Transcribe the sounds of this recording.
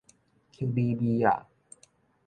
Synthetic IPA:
kʰe˧bi˧biː˧ja̰˨˩

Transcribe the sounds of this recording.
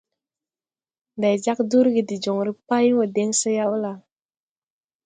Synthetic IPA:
da˨jd͡ʒa˦k̚du˦ɾɡi˨di˨d͡ʒɔ˨ŋɾi˦pa˦i˦ŋwə˨dɛ˦ŋsə˦ja˦u˦la˨

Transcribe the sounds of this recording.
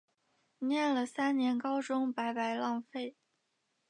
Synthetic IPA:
njɛ˥˩nlə˩sa˥nnjɛ˧˥nkɑ˥ʊʈ͡ʂʊ˥ŋpa˧˥ɪpa˧˥ɪlɑ˥˧ŋfe˥˩ɪ

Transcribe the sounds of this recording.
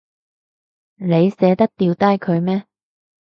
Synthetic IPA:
ne˨˧jsɛː˨˥t̪ɐ˥k̚t̪iː˨wt̪aː˥jkʰɵ˨˧ɥmɛː˥

